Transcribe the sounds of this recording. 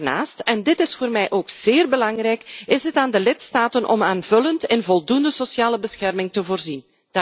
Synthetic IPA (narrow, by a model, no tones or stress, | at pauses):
na̰ːstɛndɪtɪsfoːrmɛjʔoːkz̥ɪːrbəlɑŋrɛjkɪsɦətaːndəlɪtstaːtənʔɔ̰maːnvɵləntɪnvɔlˠdundəsosjaːləbəsxɛrmɪŋtəvoːrzin | d